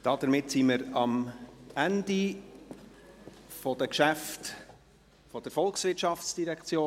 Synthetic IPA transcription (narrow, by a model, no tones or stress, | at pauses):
d̥ɑːd̥əɾmɪtsiməɾɑmændi | fɔd̥əkʃæft | fɔd̥əɾfɔlˠksvɪɾtʃɑft͡sd̥iɾɛkʰt͡sjoː